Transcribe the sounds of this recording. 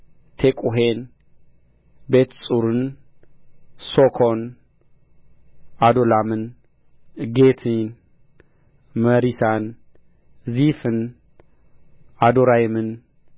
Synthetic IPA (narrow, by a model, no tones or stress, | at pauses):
t̪ʰekʼuɦen | bet̪sʼuɾɨn | sokʰon | ad̪olamɨn | ɡet̪ʰin | məɾisan | zifɨn | ad̪oɾajmɨn